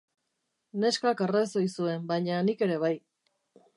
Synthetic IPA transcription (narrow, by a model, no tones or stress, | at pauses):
ne̞skakereso̞jsue̞mbajɲanike̞ɾe̞β̞aj